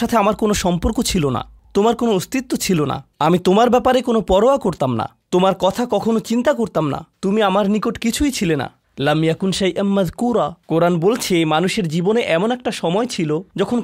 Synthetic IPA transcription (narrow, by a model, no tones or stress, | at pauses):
at̪ʰeamaɾkonoʃɔmpoɾkot͡ɕʰilona̰ | t̪omaɾkonoost̪it̪ːot͡ɕʰilona̰amit̪omaɾbɛpaɾekonopɔɾoakoɾt̪amna̰ | t̪omaɾkɔt̪ʰakɔkʰonot͡ɕint̪akoɾt̪amna̰t̪umiamaɾnikoʈkit͡ɕʰujt͡ɕʰilena̰ | lamjakunʃajʔanmɐðkuɾakoɾanbolt͡ɕʰemanuʃeɾd͡ʑiboneʔɛmonɛk̚ʈaʃɔmɔet͡ɕʰilod͡ʑɔkʰon